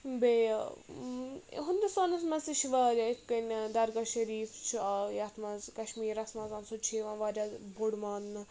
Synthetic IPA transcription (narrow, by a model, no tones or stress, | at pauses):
be | ɦʊnd̪ust̪aːnɐsmɐziʃiʋaːɾaikɐnd̪ɐɾɡaʃɐɾiːft͡ʃʰiajat̪ʰmɐzkɐʃmiːɾɐsmɐzɐːnsoːt͡ʃʰeːʋɐ̃nʋaːɾʲaboɽmaːnːɨ